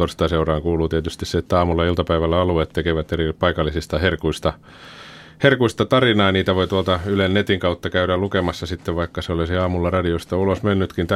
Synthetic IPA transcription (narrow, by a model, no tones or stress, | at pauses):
orst̪ɑˑseurɑːŋkuːluːt̪iet̪yst̪isseet̪ːæɑːmulːɑilt̪ɑpæiʋælːæɑluet̪t̪ekeʋæt̪eripɑikɑlːisist̪ɑherkuist̪ɑ | herkuist̪ɑt̪ɑrinɑːniːt̪æʋoit̪uolt̪ɑylennet̪iŋkɑut̪ːɑkæyɾællukemɑsːɑsit̪ːeʋʋɑikːɑseolisiɑːmulːɑrɑdiost̪ɑulosmenːyt̪kint̪æ